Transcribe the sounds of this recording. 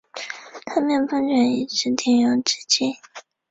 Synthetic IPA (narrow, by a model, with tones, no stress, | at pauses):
t̪ʰa˥mjɛ˥˩nfə˥ŋt͡ɕɥɛ˨˩ni˨˩ʈ͡ʂɻ̩˥t̪ʰi˥˩ŋjɑ˧˥ʈ͡ʂɻ̩˥t͡ɕi˥˩